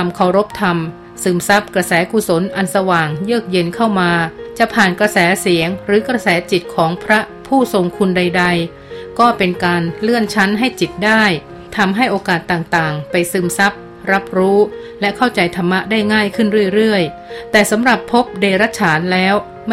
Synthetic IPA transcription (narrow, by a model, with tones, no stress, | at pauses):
t̪ʰa˧mkʰa˨˩wɾo˦˥p̚t̪ʰa˧m | sɯː˧˩msa˦˥p̚kɾa˧sɛː˩˦ku˨˩so˩˦nʔa˧nsa˧waː˨˩ŋjɯː˥˩k̚je˧nkʰa˥˩wmaː˧t͡ɕa˨˩ʔpʰaː˨˩nkɾa˧sɛː˩˦si˩˦əŋɾɯː˩˦kɾa˧sɛː˩˦t͡ɕi˨˩t̪̚kʰɔː˩˦ŋpʰɾa˦˥ | pʰuː˥˩so˧ŋkʰu˧nda˧jda˧j | kɔː˥˩pe˧nkaː˧nlɯ˥˩ənt͡ɕʰa˦˥nɦa˥˩jt͡ɕi˨˩t̪̚daː˥˩j | t̪ʰa˧mɦa˥˩jʔoː˧kaː˨˩t̪ːaː˨˩ŋt̪aː˨˩ŋpa˧jsɯː˧˩msa˦˥p̚ | ɾa˦˥p̚ɾuː˦˥lɛ˦˥kʰa˥˩wt͡ɕa˧jt̪ʰa˧mːa˦˥daː˥˩jŋaː˥˩jkʰɯ˥˩nɾɯ˥˩əjɾɯ˥˩əj | t̪ɛː˨˩sa˩˦mɾa˨˩pʰːo˦˥p̚deː˧ɾa˦˥t͡ɕʰaː˩˦nlɛː˦˥w | m